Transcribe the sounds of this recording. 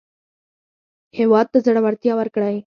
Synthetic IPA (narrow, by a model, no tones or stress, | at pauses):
heʋad̪̚t̪ːəd͡zəɽʋəɾt̪ijaʋəɾkəɽaɦe